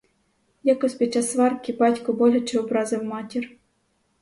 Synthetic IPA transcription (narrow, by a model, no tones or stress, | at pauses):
jakɔsʲpʲid̪̚t͡ʃɑsʋɑrkʲibɑtʲkɔbɔlʲɐt͡ʃɛʊbɾɑzɪwmɑtʲir